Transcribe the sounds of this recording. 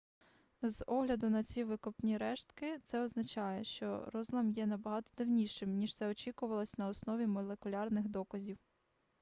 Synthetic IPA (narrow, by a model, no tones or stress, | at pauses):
zɔɦlʲɐd̪ʊnɐt͡sʲiʋɪkɔpnʲiɾɛʃt̪kɪt̪sɛɔznɐt͡ʃɑjɛʃt͡ʃɔ̰ɾɔzlˠɐmjɛnɐbɐɦɑt̪ɔ̥d̪ɪwnʲiʃɪmnʲiʃt̪sɛɔt͡ʃʲikʊʋɐlˠɔsʲnɐɔsnɔʋʲimɔlˠekʊlʲɑrnɪxd̪ɔkɐzʲiw